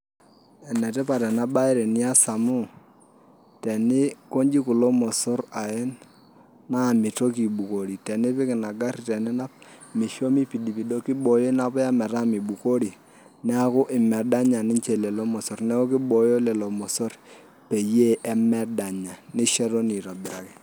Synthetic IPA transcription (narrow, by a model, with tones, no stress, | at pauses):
ɛ˨nɛ˨tɛ˦pa˨ɾɛ˨na˦ba˦ɪ˦ɾɛ˨nɪ˦a˦sa˨mʊ˦ | tɛ˨nɪ˦ko˦ɲd͡ʒi˦kʊ˨lɔ˦mɔ˨sɔ˦ɾa˨ɛ˦n | na˦˨mɪ˨to˦ki˨bu˨ko˨ɾi˨tɛ˨nɪ˦pɪ˦kɪ˨na˨ɡa˦rtɛ˨nɪ˦na˦p̚mɪ˨ʃo˦mi˦pi˨di˨pi˨do˦kɪ˦ɓɔ˨jɔ˦na˦pɔ˦ja˦mɛ˨ɾa˦mi˨bu˨ko˦ɾi˨ | nɛ˦a˦kʊ˦ʔɪ˨mɛ˨da˦ɲa˨nɪ˦nt͡ʃe˦˨lɛ˨lɔ˦mɔ˨sɔ˨rnɛ˦ɔ˦kɪ˦ɓɔ˨jɔ˦lɛ˨lɔ˨mɔ˨sɔ˦r | pe˨je˦ʔɛ˦mɛ˦da˨ɲa˨nɪ˦ʃɛ˦ɾo˦ni˨ta˨bɪ˨ɾa˨kɛ˨